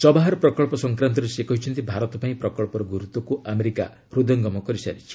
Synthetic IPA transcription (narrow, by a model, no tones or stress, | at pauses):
t͡ʃɔbaɦaɾɔpɾɔkɔɭpɔsɔŋkɾant̪ɔɾesekɔɦit͡ʃʰɔnt̪ibʱaɾɔt̪ɔpaĩpɾɔkɔɭpɔɾɔɡuɾut̪ɔkuʔameɾika̰ | ɾud̪ɔŋɡɔmɔkɔɾisa̰ɾit͡ʃʰi̥